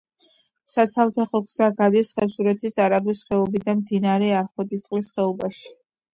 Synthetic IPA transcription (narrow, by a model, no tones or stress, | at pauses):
sat̪sʰalˠpʰɛχɔɡz̥aɡad̪isχɛɾsuɾɛt̪ʰisaɾaɡwisχɛɔbid̪amd̪inaɾɛaɾχwɛd̪ist̪sʼlisχɛɔbaʃi̥